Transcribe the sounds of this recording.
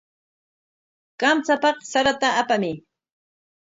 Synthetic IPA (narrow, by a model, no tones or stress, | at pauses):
kamt͡sapɑχsaɾat̪aːpamɪ